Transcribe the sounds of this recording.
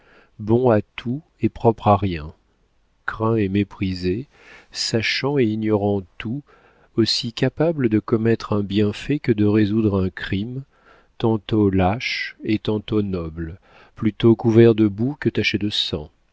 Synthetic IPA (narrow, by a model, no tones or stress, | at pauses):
bɔ̃at̪ʰu | epχɔpχaʁjɛ̃ | kʁɛ̃emepχize | saʃɑ̃eiɲjɔʁɑ̃t̪u | osikapabləd̪əkɔmɛt̪χɛ̃bjɛ̃fɛkəd̪əʁezud̪ʁɛ̃kχim | t̪ɑ̃t̪olaʃet̪ɑ̃t̪onɔbl | plyt̪okuvɛʁd̪əbukət̪aʃed̪əsɑ̰̃